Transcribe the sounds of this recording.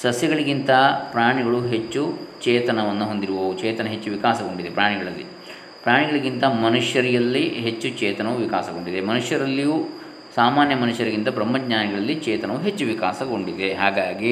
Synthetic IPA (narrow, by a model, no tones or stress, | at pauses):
sɐsjɐɡɐɭiɡint̪ɐpɾaːɳiɡɐɭuɦe̞t͡ʃːut͡ʃɛːt̪ɐnɐʋɐnːɐɦo̞nd̪iɾuʋɐʋut͡ʃɛːt̪ɐnɐɦe̞t͡ʃːuʋikaːsɐɡo̞ɳɖid̪e̞pɾaːɳiɡɐɭɐlːḭ | pɾaːɳiɡɐɭiɡint̪ɐmɐnuʂjɐɾijɐlːiɦet͡ʃːut͡ʃɛːt̪ɐnɐʋuʋikaːsɐɡoɳɖid̪emɐnuʂjɐɾɐlːiju | saːmaːnjɐmɐnuʂjɐɾiɡint̪ɐbɾɐmːɐɡɲaːniɡɐɭɐlːit͡ʃɛːt̪ɐnɐʋuɦe̞t͡ʃːuʋikaːsɐɡo̞ɳɖid̪e̞ɦaːɡaːɡi